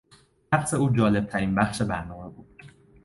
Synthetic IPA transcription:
æχse̞uːd͡ʒɒːle̞b̚t̪ʰæɾiːnbæxʃe̞bæɾnɒːme̞buːd̪̥

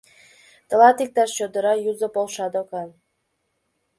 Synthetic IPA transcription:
t̪ɤ̆lɑt̪ik̚t̪ɑʃt͡ɕod̪əɾɑjuzə̆polˠʃɑd̪okɑn

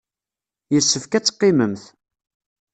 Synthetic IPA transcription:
jəsːəfkæt͡sːqːɪməmθ

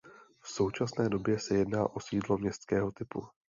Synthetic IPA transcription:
fso̞wt͡ʃasnɛːdo̞bjɛsɛjɛdnaːʔo̞siːdlo̞mɲɛst̪skɛːɦo̞t̪ɪpu

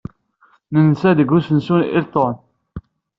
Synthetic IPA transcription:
nənsæd̪əɡusənsunʔḭɾt̪ˤːon

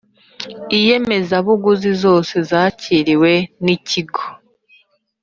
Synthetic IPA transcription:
ije̞me̞zaβuɡuzizo̞ːse̞zaːciɾiwe̞niciɡo̥

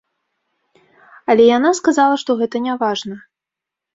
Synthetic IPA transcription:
ɐlʲɛjanaskazalˠɐʂt̪ɔɣɛt̪ɐnʲavaʐnɐ

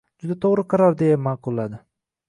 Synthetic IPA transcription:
d͡ʒʊd̪at̪ʰoʁɾɨqʰɑɾɒɾd̪e̞jamɑːqʰʊlˠːad̪ɪ

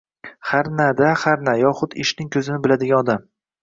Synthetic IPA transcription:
haɾnad̪ahaɾnajɒχʊd̪ɪʃnɪŋkʲʰɵzɪnɪbɪlad̪ɪɡʲanɒd̪am

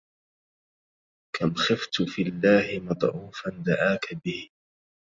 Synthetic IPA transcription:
kʰamxɪft̪filːaːhɪmɑt̪ˤʕuːfand̪aʕaːkabɪh

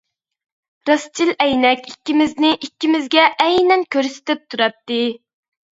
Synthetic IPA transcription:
ɾɑst͡ʃʰilɛjnɛkʲikʲːimɪznɪʔikʲːimɪzɡʲɛʔɛjnɛnkʲøɾsɪ̥t̪ɪp̚t̪ʰuɾɑp̚t̪ːɨ

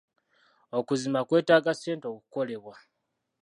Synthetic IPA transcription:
okuzimakwe̞ːtaːɡase̞ːnto̞kuko̞le̞βwa

